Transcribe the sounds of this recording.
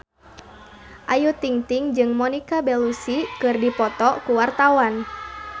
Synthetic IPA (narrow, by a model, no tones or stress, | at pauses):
ʔajut̪iŋt̪iŋd͡ʒɨŋmɔnikabɛlusikɨrdipɔt̪ɔkuwart̪awan